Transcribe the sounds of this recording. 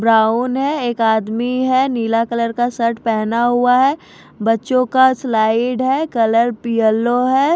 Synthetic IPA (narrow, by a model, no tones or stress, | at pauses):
bɾaːʊnɦɛeːkaːd̪miɦɛniːlakələɾkasɐɾʈpɛɦnaɦuaɦɛː | bɐtːʃõkaslaːɪɖɦɛkɐləɾpiəlːoɦɛː